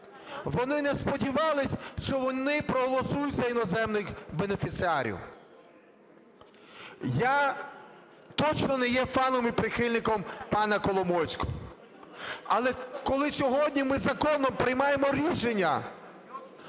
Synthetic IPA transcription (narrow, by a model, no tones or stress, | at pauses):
ʋɔnɪnɛspɔdʲiʋɑlˠɪsʲʃt͡ʃɔʋɔnɪpɾɔɦɔlˠɔsujʊtʲzɐinɔzɛmnɪxbenefʲit̪sɪɑɾʲḭw | ja | t̪ɔt͡ʃnɔnɛjɛfɑnɔmipɾɪxɪlʲnɪkɔmpɑnɐkɔlˠɔmɔsʲkɔ̥ | ɐlˠɛkɔlˠɪsʲɔɦɔdʲnʲimɪzɐkɔnɔmpɾɪjmɑjemɔɾʲiʃenʲːɐ